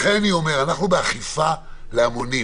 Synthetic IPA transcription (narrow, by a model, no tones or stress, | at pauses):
χeniome̞ʁanaχnubeaχifa | leamoni